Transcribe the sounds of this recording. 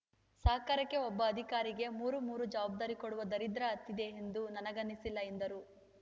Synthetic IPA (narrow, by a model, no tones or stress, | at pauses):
saːkɐɾɐkːe̞ɔbːɐːd̪ʱikaːɾiɡe̞muːɾumuːɾud͡ʒɐʋaːb̚d̪aːɾikoɽuʋɐd̪ɐɾid̪ɾɐɐt̪ːid̪e̞end̪unɐnɐɡɐnːisilːɐend̪ɐɾu